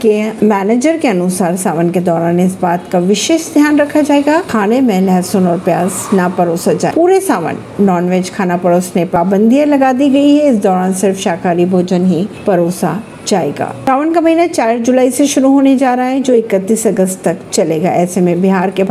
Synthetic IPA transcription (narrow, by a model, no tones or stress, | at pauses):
kemɛːneːd͡ʒəɾkeɐnʊsaːɾsaːʋənked̪ɔːɾaːnɪsbaːt̪kaʋɪʃeːʃd̪ʱjaːnɾɐkʰad͡ʒaːeɡaːkʰaːnemẽlɛːsonɔːɾpjaːsnɐpɐɾoːsad͡ʒaːpuːɾesaːʋə̰nːɔːnʋeːd͡ʒkʰaːnapɐɾoːsnepaːbə̃nd̪ʱijãlɐɡaːd̪iɡɐiɦɛɪsd̪ɔːɾaːnsɪɾfʃaːkaːɾibʱoːd͡ʒənɦipɐɾoːsa̰ | d͡ʒaːḛːɡa̰ːsaːʋənkamɐɦiːnat͡ʃaːɾd͡ʒʊlaːiseʃʊɾuɦoːned͡ʒaːɾɐɦaɦɛ̃d͡ʒoːɪkət̪ːiːsɐɡəst̪t̪ɐkt͡ʃɐleːɡa̰ɛ̰ːsemẽbɪɦaːɾkebʱ